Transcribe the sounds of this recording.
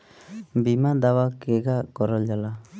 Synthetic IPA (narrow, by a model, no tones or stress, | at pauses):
bimad̪awakɛɡakɔɾɔld͡ʒala